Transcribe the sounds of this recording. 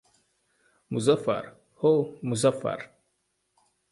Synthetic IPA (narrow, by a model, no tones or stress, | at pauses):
muzafɐ̰ɾ | homuzafa̰ɾ